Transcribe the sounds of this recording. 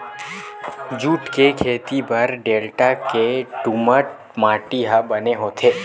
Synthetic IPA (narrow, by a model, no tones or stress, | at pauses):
d͡ʒuːʈkekʰeːt̪ibɐɾɖeːlʈakeʈʊməʈ̚ | maːʈiɦabɐneɦoːt̪ʰeː